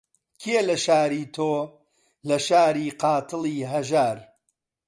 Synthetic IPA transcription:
kʰeelɐʃaːɾiːt̪ʰoː | lɐʃaːɾiːqɑːt̪ʰɨliːɦɐʒaːɾ

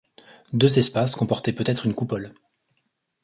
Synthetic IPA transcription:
d̪øzɛspaskɔ̃pɔʁt̪ɛpøt̪ɛt̪χynkupɔl

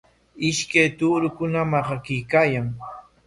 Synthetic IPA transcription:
ɪʃkajt̪uːɾʊkʊnamahɑkɪjkaːjaŋ

